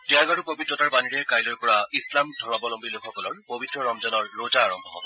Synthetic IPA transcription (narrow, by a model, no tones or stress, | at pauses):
tɛaɡaɹupobitɹɔtaɹbaniɹɛɹkajlɔjpɔɹaislamdʱɔɹɔbɔlɔmbʱilokʰːɔkɔlɔɹpobʱitɹɔɹɔmzɔnɔɹːozaːɹɔmbʱɔ̰